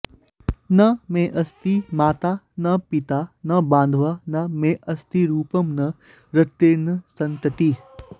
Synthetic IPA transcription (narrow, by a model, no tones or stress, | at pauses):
nɐmẽʔɐst̪imaːt̪a | nɐpit̪anɐbãːnd̪ʱʋanɐmẽʔɐst̪iɾuːpəmnɐ | ɾɐt̪ːeːnsɐ̃nt̪ət̪i